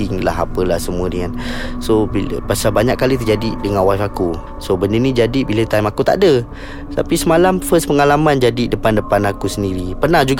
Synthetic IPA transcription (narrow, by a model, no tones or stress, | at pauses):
ɪŋla̰ɦapəlahsəmuədəŋansobilə̰pasalbaɲakːalit̪ərd͡ʒadidəŋanwaifaku | sobəndənid͡ʒadibilət̪ajmakut̪a̰ʔdə | t̪apisəmalamfəspəŋalamãnd͡ʒadidəpandəpanakusəndiɾipərnahd͡ʒuɡ